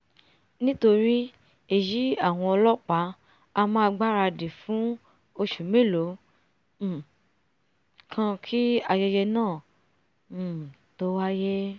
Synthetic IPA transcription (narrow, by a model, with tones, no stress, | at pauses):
nĩ˦to˧ɾi˦ | e˦˨ji˨˦a˦˨w̃ɔ̃˧ɔ˧lɔ˦k͡pa˨˦ | a˧mã˦a˧ɡ͡ba˦ɾa˧de˨fũ˨˦ | o˧ʃu˨mẽ˦˨lo˨˦˨ | kʰã˧kʰi˦a˧jɛ˧jɛ˧nãː˦˨ | to˦wa˦jɛ˦